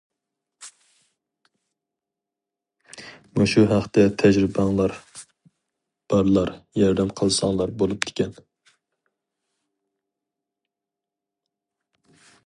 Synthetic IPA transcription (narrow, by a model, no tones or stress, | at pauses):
muʃuɦæχt̪ɛt̪ʰɛʒɾɪbɑŋlˠɑɾ | b̥ɑɾlˠɑɾjɑɾd̪ɛmqʰəlˠsɑŋlˠɑɾbolˠup̚d̪ʰɪ̥kʲɛn